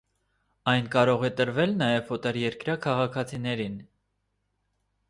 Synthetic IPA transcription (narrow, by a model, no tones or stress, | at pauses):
ɑjnkɑɾɔʁɛt̪əɾvɛlnɑjɛvɔt̪ɛɾjɛɾkɾɑkʰɑʁɑkʰɑt͡sʰinɛɾin